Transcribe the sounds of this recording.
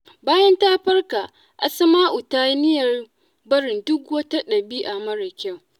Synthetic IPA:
baː˦jɐ˦ntaː˦ɸɐ˦rka˨ | ʔa˨sɐ˦maː˦ʔʊ˨taː˦nɪ˦jɐ˨r | bɐ˦ɽɪ˨ndʊ˦kwɐ˦ta˦ɗɐ˨biː˦ʔa˨mɐ˦ɽɐ˨kʲa˦˨w

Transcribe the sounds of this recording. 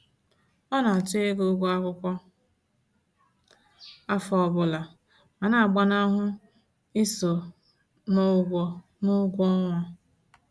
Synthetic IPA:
ɔ˦na˨a˨tɪ˦e˦ɡu˦ɡʷu˦a˦kʷʊ˦kʷɔ˦ | a˦fɔ˦˨bʊ˨la˨ | ma˨na˨a˨ɡ͡ba˦na˦ɦʊ˦ | i˦so˨ | nʊ˦ɡʷɔ˦ | nʊ˦ɡʷɔ˦ŋʷa˦

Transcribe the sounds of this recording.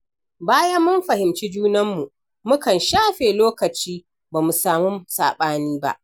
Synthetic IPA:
baː˦ja˦mːʊ˦mɸɐ˨hɪ˨mt͡ʃi˦d͡ʒuː˦nɐ˦mːu˨ʔ | mʊ˦kɐ˨nʃaː˦ɸeː˨loː˦kɐ˨t͡ʃiː˦ | baː˨mu˨saː˨mu˦msa̰ː˨ɓaː˦niː˦ba̰˦ʔ

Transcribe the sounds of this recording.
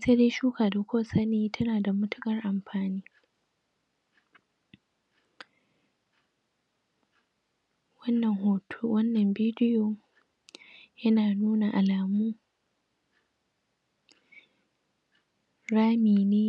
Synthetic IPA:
se˦deː˦ʃuː˦kaː˨da˨kʷoː˦sa˦neː˦tʰɐ˦naː˨da˨mʊ˦tʊ˦kʼɐ˨rʔa˨mɸaː˨niː˦ | wɐ˦nːɐ˨ŋhoː˨tʰo˦wɐ˦nːɐ˨mbiː˦dɪ˦joː˨ | jɐ˦naː˨nuː˦na˨ʔa˨laː˨muː˦ | ɽaː˦miː˨neː˦

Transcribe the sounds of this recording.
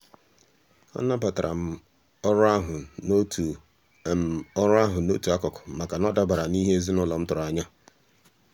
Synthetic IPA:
ɔ̰˦na˦pa˨ta˨ɾʔa̰˨˦ | ɾɦʊ˨ | m̩˨ɔ˦ɾa˦ɦʊ˨no˦tu˨a˦kɔ˨kʊ̥˨ma˨ka˨nɔ˦da˦ba˨ɾa˨ni˦ɦe˦e˦zi˦nʊ˦lɔ˨m̩˦tʊ˨ɾʊ˨a˨ɲa˦

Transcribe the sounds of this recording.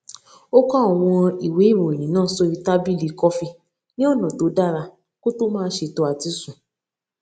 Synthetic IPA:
o˦kã˦ɔ˨w̃ɔ̃˧i˨we˨˦i˦˨wo˨e˨ñĩ˨nãː˦˨˦so˧i˧ta˦bi˦li˨˧kɔ˦fi˧ | nĩ˦ɔ˦˨nã˨to˨˦da˦ɾa˧ | ko˦to˦mãː˦˧˦ʃe˧to˧a˨ti˦sũ˨

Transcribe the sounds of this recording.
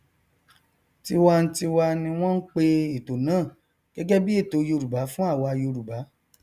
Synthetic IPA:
ti˦wa˧n̩˦ti˧wa˧nĩ˧w̃ɔ̃˦n̩˦k͡pe˧i˨to˨nãː˦˨ | ɡ̥ɛ˨˦ɡɛ˦bi˦e˦˨to˨˦jo˧˨ɾu˨ba˨˦fũ˦a˦˨wa˧a˧jo˧ɾu˨ba˨˦

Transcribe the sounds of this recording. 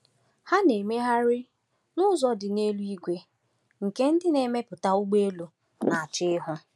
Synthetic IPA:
ha˦ne˨me˦ɦa˦ɾɪ˦ | nʊ˦zɔ˨dɪ˨ne˦lu˦i˦ɡʷe˦ | ŋ̩˨ke˦n̩˦dɪ˦ne˨me˦pʊ˨ta˦u˦ɡ͡be˦lu˨ | na˨a˨t͡ʃɪ˦ɪ˦ɦʊ˦

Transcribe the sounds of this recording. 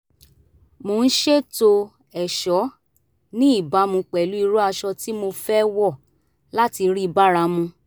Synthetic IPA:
mo˧˦n̩˦ʃe˦to˧ | ɛ˨ʃɔ˨˦ | nĩ˦i˦˨ba˨˦mũ˧k͡pɛ˨lu˨˦i˧ɾo˦a˧ʃɔ˧ti˦mo˧fɛ˦wɔ˦˨ | la˦ti˧ɾi˦˧ba˦˨ɾa˧˦mũ˧

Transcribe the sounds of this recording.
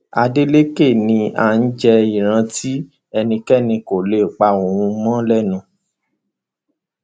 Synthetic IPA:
a˧de˦le˦ke˦˨nĩ˧a̰˨˧n̩˦d͡ʒɛ˧i˨ɾ̃ã˧tʰi˦ | ɛ˧nĩ˧kɛ˦˨nĩ˧ko˨le˨k͡pa˧o˨w̃ũ˧mɔ̃˦lɛ˦˨nũ˧

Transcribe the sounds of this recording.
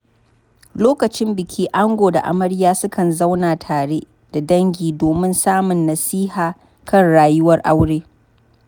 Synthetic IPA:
loː˦kɐ˨t͡ʃɪ˦mbɪ˨kʲʰiː˦ʔa˦ŋɡʷoː˨da˨ʔa̰˨mɐ˦ɽjaː˦sʊ˦kʰɐ˨nza˦wnaː˨tʰaː˨ɽeː˦ | d̥a˨dɐ˦ŋɡʲiː˨doː˨mɪ˦nsaː˦mʊ˨nːɐ˨siː˦haː˨ | kɐ˦˨nɽaː˨jʊ˦wɐ˦rʔa˦wɽeː˦

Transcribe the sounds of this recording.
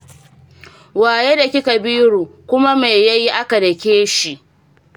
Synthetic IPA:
waː˨jeː˦da˨kʲi˦ka˨biː˦ɽuː˨kʷʊ˦ma˦me˨ja˦ji˦ʔa˦ka˨dɐ˨kʲeː˦ʃi˨ʔ

